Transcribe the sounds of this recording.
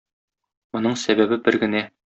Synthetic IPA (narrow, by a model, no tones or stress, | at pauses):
mŏnɤɴsæbæbɘbɘɾɡɘ̆næ